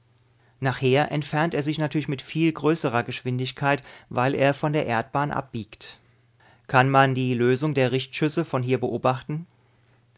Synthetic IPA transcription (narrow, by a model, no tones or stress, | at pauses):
naːχheːɐʔɛntfɛɐnteːɐzɪçnatʰyːɐlɪçmɪtfiːlɡʁøːsəʁɐɡəʃv̥ɪndɪçkʰaɪtvaɪlʔḛːɐfɔndeːɐʔḛɐt̚b̥aːnʔa̰p̚b̥iːkt | kʰanmandiːløːzʊŋdeːɐʁɪçtʃʏsəfɔnɦiːɐbəʔoːbaχtn̩